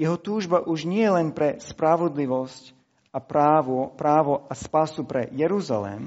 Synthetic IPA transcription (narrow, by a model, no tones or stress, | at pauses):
jɛɦɔt̪uːʒbaʔuʒɲɪɛjɛlɛnpɾɛspɾaʋɔd̪liʋɔsc | apɾaːʋɔpɾaːʋɔaspasupɾɛ̰jɛɾuza̰lɛ̰m